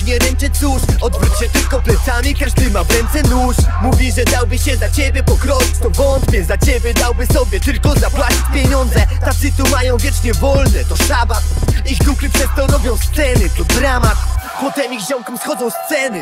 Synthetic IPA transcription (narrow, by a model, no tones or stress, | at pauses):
ɲɛɾɛnt͡ʂɛt͡ɕd̪uʂɔd̪vɾut̪ɕɛt̪ɪlkɔplɛt̪samʲikaʐd̪ɨmavɾɛnt̪sɛnuʂmuvʲiʐɛd̪awbɘɕɛzat͡ɕebʲjɛpɔkɾɔi̥t͡ɕt̪ɔbɔnt̪pʲjɛzat͡ɕebʲjɛd̪awbɘsɔbʲjɛt̪ɪlkɔzapwat͡ɕi̥t͡ɕpʲjɛɲɔnd̪zɛt̪at̪sɨt̪umajɔ̃w̃vʲjɛt͡ʂɲɛvɔlnɛt̪ɔsabat̪ixd̪uklɘpʂɛst̪ɔɾɔbʲjɔ̃w̃st̪sɛnɘp̪ɔd̪ɾamat̪pɔt̪ɛmixʑɔ̃wkɔmsxɔd̪zɔ̃w̃st̪sɛnɘ